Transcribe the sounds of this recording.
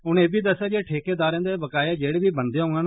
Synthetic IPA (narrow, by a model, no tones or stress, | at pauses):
ʊneːbiːd̪əsːaːd͡ʒeːʈʰeːkeːd̪aːɾẽːd̪eːbəkaːjaːd͡ʒeːɽeːbiːbənd̪eːɦõːŋɡaːn